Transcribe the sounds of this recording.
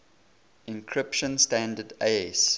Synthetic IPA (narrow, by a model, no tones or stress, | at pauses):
ɪ̃nkʰɹɪpʃə̃nstæ̃ndədeɛs